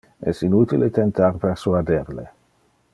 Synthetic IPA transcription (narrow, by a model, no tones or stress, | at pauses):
ɛ̰sinut̪ilet̪ent̪arpersuad̪erlḛ